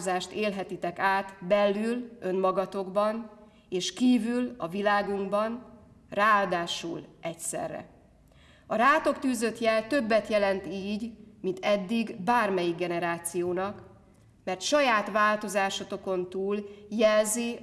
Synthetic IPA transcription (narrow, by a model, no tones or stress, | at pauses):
zaːʃt̪eːlɦɛt̪it̪ɛkaːt̪bɛlːylø̞nmɒɡɒt̪o̞ɡbɒn | eːʃkiːvylɒvilaːɡuŋɡbɒn | raːaːld̪aːʃṵlɛcsɛ̰rːɛ̰ | ɒɾaːt̪o̞kt̪yːzø̞t̪jɛlt̪ø̞bːɛt̪jɛlɛnt̪iːɟmint̪ɛd̪ːiɡbaːrmɛjiɡ̚ɡɛnɛɾaːt̪sijoːnɒk | mɛrt̪ʃɒjaːt̪ʋaːlt̪o̞zaːʃot̪o̞ko̞nt̪uːljɛlzi